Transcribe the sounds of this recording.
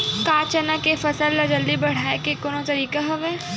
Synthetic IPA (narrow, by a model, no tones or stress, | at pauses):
kaːt͡ʃɐnakefɐsəlːad͡ʒɐld̪ibɐɽ̤aːekekoːnõt̪ɐɾiːkaɦoʋeː